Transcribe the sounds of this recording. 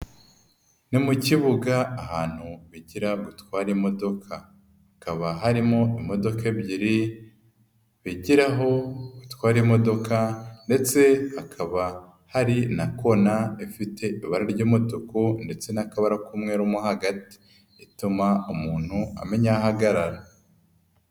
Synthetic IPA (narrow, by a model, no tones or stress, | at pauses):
nimuciβuɡaːhaːn̥huβiɟiɾaɡutwaːɾimo̞do̞kʰa | hakaβaɦaɾimo̞imo̞do̞keβɟiɾi | βiɟiɾaɦo̞ɡ̥utwaːɾimo̞do̞kande̞t͡se̞hakʰaβa | haɾinako̞naifitʰe̞ʔiβaɾaɾɟoːmotukonde̞t͡se̞nakaβaɾakumŋe̞ːɾumohaɡati̥ː | tumaumuːn̥hua̰me̞ɲaɦaɡaɾaɾa